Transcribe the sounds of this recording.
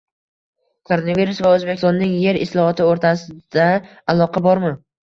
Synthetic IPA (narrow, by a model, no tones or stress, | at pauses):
kʰoɾonaviɾusvaɵzbekʲɪ̥st̪ɔnːɪŋje̞ɾɪslˠɒhɒt̪ʰɪoɾt̪ʰasɪd̪̥a | alˠɒqʰabɒɾmɪ